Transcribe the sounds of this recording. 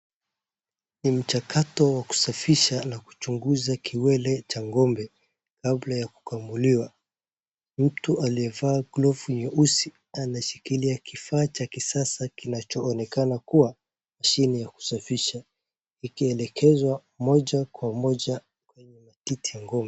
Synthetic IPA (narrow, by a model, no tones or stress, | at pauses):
nim̩t͡ʃakʰatɔwaku̥safiʃanaku̥t͡ʃuŋɡuzakʰiwɛlɛt͡ʃaŋɡɔmbɛ | kablajaku̥kambuliwa | m̩tuʔaliɛvaːɡlɔvuɲɛʔusi | anaʃikiliakifaːt͡ʃakisasakinat͡ʃɔːnɛkanakuwa | maʃinijaku̥safiʃa | ikiɛlɛkʰɛzwa | mɔʄakwamɔʄa | kwɛɲɛmatitijaŋɡɔmbɛ